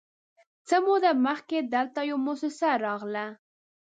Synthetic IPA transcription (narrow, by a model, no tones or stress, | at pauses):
t͡səmud̪aməxked̪əlt̪ajawmosɪsaɾɑɣla